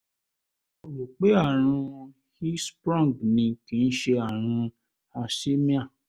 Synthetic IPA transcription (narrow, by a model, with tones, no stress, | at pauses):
o˨wu˨k͡pe˨˦a˦˨ɾ̃ũ˧ | hi˦spɾɔ̃˦˨ɡnĩ˧kĩ˨˦n̩˦ʃe˧a˦˨ɾ̃ũ˧ | a˧si˦mĩ˦a˦˨